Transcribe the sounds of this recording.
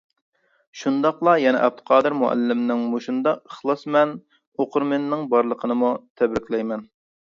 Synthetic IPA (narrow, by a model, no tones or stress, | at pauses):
ʃund̪ɑqlˠɑjɛnɛ̰ʔɛb̚t̪ʰɨ̥qʰɑːd̪ɨɾmuʔæ̰lːɪmnɪŋmoʃund̪ɑəχlˠɑsmɛn | oqʊɾmenɪnɪŋbɑɾlˠəqʰənɨmut̪ʰɛbɾɪkʲlɛjmɛn